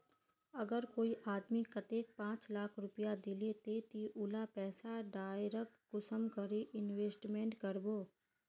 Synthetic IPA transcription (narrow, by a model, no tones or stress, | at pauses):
əɐɡəɾkoːiʔaːd̪mikət̪eːk̚pãːt͡ʃlaːkʰɾʊpijad̪ɪlet̪et̪iʔʊlapɛːsaɖaːjɾəkːʊsəmkəɾeʔɪnweːsʈmẽːɳʈkəɾboː